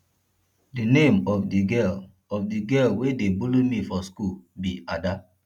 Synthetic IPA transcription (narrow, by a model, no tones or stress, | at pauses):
dinẽmɔfdiɡɛl | ɔfdiɡɛlwedebulomifɔskulbiada